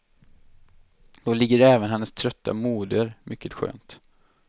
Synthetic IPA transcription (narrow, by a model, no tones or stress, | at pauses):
d̪̥oːlɪɡːəɾɛːvənɦɛnːəst̪ʰɾœt̪ʰːa̰muːd̪əɾmʔʏkːət̪ɧø̰ːnt̪